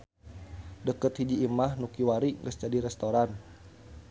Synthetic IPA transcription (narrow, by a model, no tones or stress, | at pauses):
dəkət̪hid͡ʒiːmahnukiwaɾiŋɡəsd͡ʒadiɾɛst̪oɾan